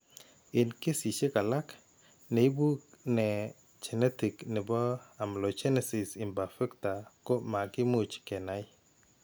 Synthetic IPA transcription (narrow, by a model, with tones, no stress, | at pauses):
ɪ˨nke˦si˨ʃe˦ka˨la˦k | ne˨i˦bu˦knɛ˨ | t͡ʃɛ˨nɛ˦ti˨knɪ˨bɔ˦a˨mlo˨t͡ʃɛ˦nɛ˨sɪ˨sɪ˨mba˨fɛ˦kta˨ko˦ma˨ɡɪ˦mu˦t͡ʃkɛ˨na˦j